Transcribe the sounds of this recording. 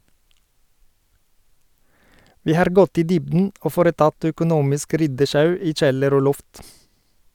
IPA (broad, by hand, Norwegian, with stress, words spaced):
ˈʋiː ˈhɑɾ ˈɡɔt ˈiː ˈdʏbdn̩ ˈoː ˈfoːɾəˌtɑt œkʊˈnuːmɪsk ˈɾʏdəˌʃɑʉ ˈiː ˈc͡çɛləɾ ˈoː ˈlɔft